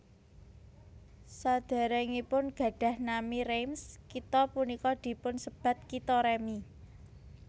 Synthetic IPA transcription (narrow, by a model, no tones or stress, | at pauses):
sad̪̥a̤ɾeŋipʊnɡ̥a̤ɖ̥ä̤hnamiɾemskit̪ɔpunikɔd̪̥i̤pʊnsəb̥ä̤t̪̚kit̪ɔɾemi